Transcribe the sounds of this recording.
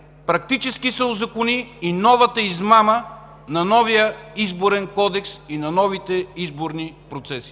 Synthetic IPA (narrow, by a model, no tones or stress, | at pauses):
pɾɐk̚t̪it͡ʃɛskisɛʊzɐkoniːnɔvɐt̪əizmamə | nɐnɔvijəizboɾɛnkɔd̪ɛksinɐnɔvit̪ɛizboɾnipɾot̪sɛsi̥